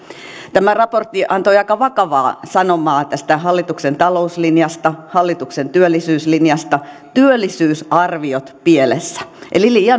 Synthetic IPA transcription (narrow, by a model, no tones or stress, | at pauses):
t̪æmærɑport̪ːiʔɑnt̪oiɑikɑʋɑkɑʋɑːsɑnomɑːt̪æst̪æhɑlːit̪uksent̪ɑlouslinjɑst̪ɑhɑlːit̪uksent̪yølːisyːslinjɑst̪ɑ | t̪yølːˑisyːsɑrʋiot̪pielesːæ̥ʔḛliliiɑ